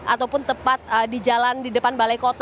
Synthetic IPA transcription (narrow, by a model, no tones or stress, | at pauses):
ʔat̪awpʊnt̪əpat̪̚ədid͡ʒalandidəpanbalajkot̪